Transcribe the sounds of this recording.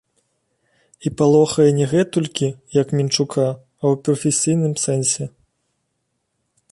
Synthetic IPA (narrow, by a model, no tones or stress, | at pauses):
ipalˠɔxɐjɛnʲɛɣɛt̪ulʲkʲijɐkmʲint͡ʂukʰa | ɐwpɾɐfʲɛsʲijnɨmsɛnsʲɛ